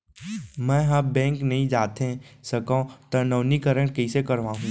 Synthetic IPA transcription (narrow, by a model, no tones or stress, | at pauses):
mɛ̃ːɦabbɛ̃ːŋknɐɦĩd͡ʒaːt̪ẽsɐkãt̪ɐnəːnikəɾə̃ɳʈkɐisekɐɾʋãːɦũː